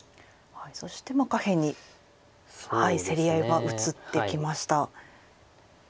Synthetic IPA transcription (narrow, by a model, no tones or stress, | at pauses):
haiso̞ɕi̥t̪e̞makahe̞ɲ̟i | haise̞ɾʲijaiβaʔɯ̟t͡sɨt̪ːe̞kʲimaɕi̥t̪a